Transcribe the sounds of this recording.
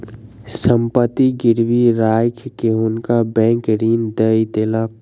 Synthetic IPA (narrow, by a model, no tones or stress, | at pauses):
səmpət̪ːiɡɪɾʋiɾaːjkʰkeɦʊnkabɛ̃ːŋkɾiːnd̪əit̪eːla